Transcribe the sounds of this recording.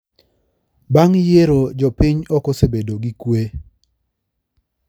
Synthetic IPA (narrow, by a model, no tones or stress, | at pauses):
baŋjeɾod͡ʒɔpɪɲɔkɔsebedoɡikwe